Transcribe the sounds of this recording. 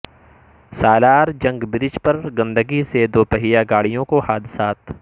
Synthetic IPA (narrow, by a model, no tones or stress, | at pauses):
saːlaːɾd͡ʒɐ̃ŋɡbɾɪd͡ʒpɐɾɡɐ̃nd̪əɡised̪oːpəɦijaɡaːɽijõkohaːd̪ɪsaːt̪